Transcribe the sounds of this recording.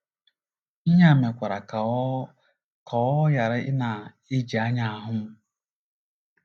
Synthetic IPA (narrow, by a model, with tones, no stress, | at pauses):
i˦ɲa˦˨me˨kʷa˨ɾa˨ | kʰɔ˨˦ja˨ɾɪ˦ɪ˦na˨ | ɪ˦d͡ʒi˨a˦ɲa˦a˨ɦʊ˦m̩˦